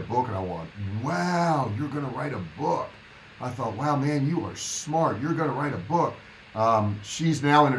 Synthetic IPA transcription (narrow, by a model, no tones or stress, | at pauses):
bʊknaɪwɑ̃n̚waʊjə˞ɡʌnəɹaɪɾəbʊk | aɪθɔt̚waʊmæ̃njɨə˞smɑɹtjə˞ɡʌnəɹaɪɾəbʊk̚ | ʔʌ̃mʃiznaʊə̃ñɨ